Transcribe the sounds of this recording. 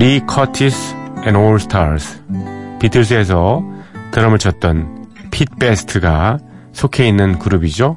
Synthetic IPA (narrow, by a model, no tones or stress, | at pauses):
ɾikʰʌtʰisɛ̃noɭsʰɯ̥tʰaɾsʰpitʰɯɭs̬ʰɯe̞s̬ʰʌtɯɾʌmɯt͡ɕʰʌt̚t͈ʌnpʰit̚p͈esʰtʰɯɡa | sʰokʰe̞inːɯnkuɾubid͡ʑo